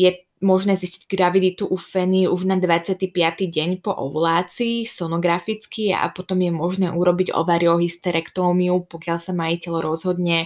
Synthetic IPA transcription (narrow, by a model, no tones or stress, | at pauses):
jɛ | mɔʒnɛːzisciɟɡɾaʋid̪it̪uʔufɛniuʒnad̪ʋat͡sɪat̪ipɪat̪iɟɛɲpɔʔɔ̰ʋlaːt͡siːsɔnɔɡɾafit͡skia̰pɔt̪ɔmjɛmɔʒnɛːʔuɾɔbiɟɔ̰ʋaɾiɔɦist̪ɛɾʔɛkt̪ɔːmiupɔkɪalsamaicɛlɾɔzɦɔd̪ɲɛ